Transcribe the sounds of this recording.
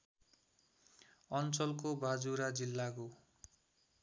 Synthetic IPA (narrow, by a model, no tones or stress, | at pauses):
ʌnt͡sʌlkobad͡zuɾad͡zilːako